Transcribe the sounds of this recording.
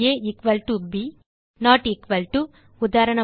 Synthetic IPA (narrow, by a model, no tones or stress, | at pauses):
eːikʋɐlʈubi | naːʈikʋɐlʈu | ud̪aːɾɐɳɐ